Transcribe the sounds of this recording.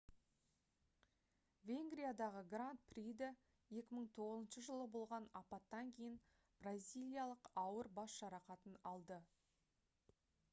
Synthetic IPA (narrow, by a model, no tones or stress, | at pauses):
vʲe̞ŋɡrʲijad̪ɑʁəɡrant̪̚pʰrʲijd̪ɪ | je̞kʲɪməɴt̪ʰo̞ʁəzənʃəʒəlˠəbolˠʁɑnɑpɑt̪ːɑŋkʲʰe̞jɪn | b̥razʲijlˠijalˠəqɑwəɾbɑsʃɑɾɑqɑt̪ənɑlˠd̪ə